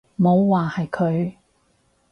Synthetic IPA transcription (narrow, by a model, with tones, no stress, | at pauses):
mo˨˧wːaː˨hɐ˨jkʰɵ˨˧ɥ